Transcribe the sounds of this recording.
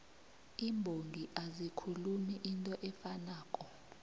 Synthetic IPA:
imbʱoŋɡʱiʔazikʰulumiʔintʼɔʔɛfanaːkʼɔ

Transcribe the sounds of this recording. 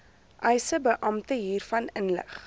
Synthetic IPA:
ʔœjsəbəʔɐmtəɦiːrfɐnənlə̰χ

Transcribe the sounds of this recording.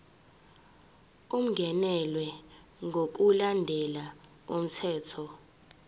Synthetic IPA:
um̩ŋɡʱɛnɛlwɛ | ŋɡʱok̬ulandʱɛla | om̩tʰɛːtʰɔ

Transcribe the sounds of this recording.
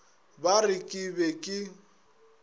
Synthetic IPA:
barɪkʼɪbɛkʼɪ

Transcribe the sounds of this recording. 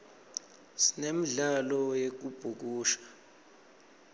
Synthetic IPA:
sinemiɮalɔjek̬ub̥ʱuk̬uːʃḁ

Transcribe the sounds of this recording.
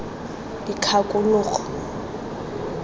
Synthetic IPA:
ikʰakʼʊlʊːχɔ̥

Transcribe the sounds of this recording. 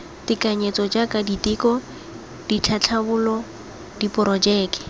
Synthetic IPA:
tɪkaɲet͡sɔd͡ʒakaditɪkɔ | d̥it͡ɬʰat͡ɬʰabʊlɔ | dipʊɾɔd͡ʒɛːkɪ̥

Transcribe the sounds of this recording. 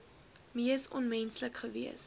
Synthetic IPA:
miəsɔnmɛnsləkχəviəs

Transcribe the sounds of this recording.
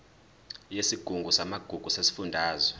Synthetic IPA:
jesiɡ̥ʱuŋɡʱusamaɡ̥ʱuɡ̥ʱusesi̥fundʱaːzwɛ

